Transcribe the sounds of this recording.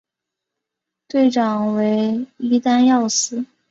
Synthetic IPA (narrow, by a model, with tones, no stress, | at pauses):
t̪we˥˩ɪʈ͡ʂɑ˨˩ŋwe˧˥ɪi˥t̪a˥njɑ˥˩ʊsɹ̩˥